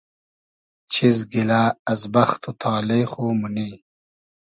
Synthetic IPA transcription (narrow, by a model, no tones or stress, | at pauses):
t͡ɕʰizɡilaːɐzbɐxt̪ʰut̪ʰaːlejxuːmuniː